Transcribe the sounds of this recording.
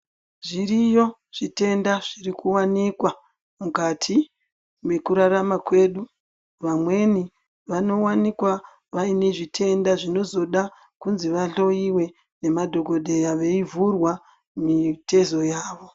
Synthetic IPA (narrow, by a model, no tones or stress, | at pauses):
ʐirijo̞ | ʐ̥ite̞ndaʐ̥irikuwanikwa | mukatʰi | mwe̞kuɾaɾamakwe̞ːɗu | ʋamwe̞ni | ʋano̞wanikwa | ʋaine̞ʐitʰe̞ndaʐino̞zo̞ɗa | kunziʋaɬo̞iwe̞ | ne̞madʱo̞ɡʱo̞dʱe̞jaʋe̞ivurwa | mite̞zo̞jaːʋo̞